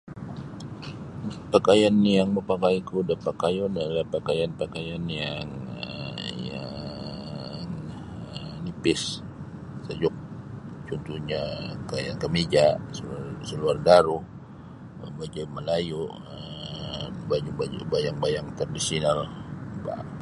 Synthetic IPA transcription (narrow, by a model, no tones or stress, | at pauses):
pakajanjaŋməpakajkuudapakajɔnalapakajanpakajanjaŋəja | ŋ | ənipɪs | səd͡ʒʊk̚t͡ʃɔnt̪uɲakajankəmid͡ʒaʔsəsəluardaɾuh | bad͡ʒaməlajuʔ | ə | bad͡ʒubabajaŋbajaŋt̪ardisiinalba̰